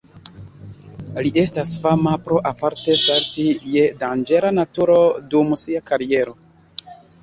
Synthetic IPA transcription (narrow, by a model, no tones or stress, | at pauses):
liʔe̞stasfamapɾoʔapaɾte̞saɾtije̞dand͡ʒe̞lanatuɾo̞dumsiakaɾie̞ɾo̞